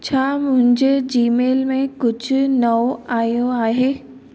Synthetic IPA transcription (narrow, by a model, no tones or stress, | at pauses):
t͡ɕʰaːmʊ̃ɦɪ̃ɲd͡ʑed͡ʑiːmeːlmẽkʊd͡ʑʱʊnɐoaːjoaːɦeː